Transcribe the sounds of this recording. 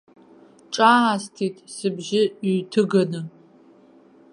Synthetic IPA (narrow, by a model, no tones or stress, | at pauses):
ʈ͡ʂʼaastʰitʼʰsɨbʒɪːtʰɨɡɐnɨ